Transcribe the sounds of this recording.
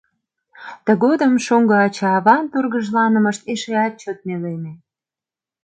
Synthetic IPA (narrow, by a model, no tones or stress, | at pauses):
t̪ə̆ɣod̪əmʃoŋɡɤɑt͡ɕɑɑβɑnt̪urɣəʒlɑnə̆mə̆ʃt̪eʃeɑt̪̚t͡ɕot̪̚neleme